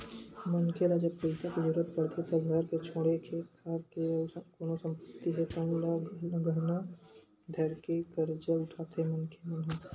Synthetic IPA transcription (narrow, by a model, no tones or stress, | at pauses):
mənkʰeɾad͡ʒəbpəɪsakd͡ʒuɾət̪pəɽt̪ʰet̪ɐɡ̪ʱəɾket͡ʃʰoːɽekʰeːt̪kaːɾkekoːnosə̃mpət̪ːiɦɛt̪ə̃llɡəna | d̪ʱəɾkekəɾd͡ʒəlʊʈʰaːt̪eɦɛmənkʰemənɦa